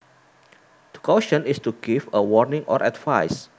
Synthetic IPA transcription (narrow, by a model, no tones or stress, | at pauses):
d̥ə̥kʰɔʃə̃nistuɡifəwɔɹnĩŋʔɔ̰ɹʔɛdvajs